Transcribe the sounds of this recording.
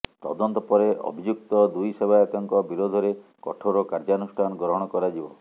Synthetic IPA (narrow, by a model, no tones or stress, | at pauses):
t̪ɔ̰d̪ɔnt̪ɔpɔɾeʔɔ̰bʱid͡ʒuk̚t̪ɔd̪ujsebʱaat̪ɔŋkɔbiɾod̪ʱɔɾekɔʈʰoɾɔkaɾd͡ʒanusʈʰanɔɡɾɔɦɔɽ̃ɔkɔɾad͡ʒibɔ̰